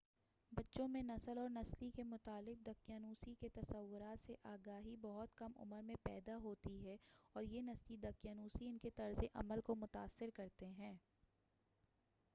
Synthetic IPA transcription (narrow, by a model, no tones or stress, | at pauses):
bɐtːʃõmẽnɐsəlɔːɾnɐslikemʊt̪aːlɪq̚d̪ɐkjaːnuːsiket̪ɐsɐʋːʊɾaːt̪seʔaːɡaːɦibɐɦʊt̪kɐmʊ̰məɾmẽpɛ̰ːd̪aɦoːt̪iɦɛɔːɾjenɐslid̪ɐkjaːnuːsiɪnket̪ɐɾzeʔɐ̰məlkomʊt̪aːsːɪɾkɐɾt̪eɦɛ̃ː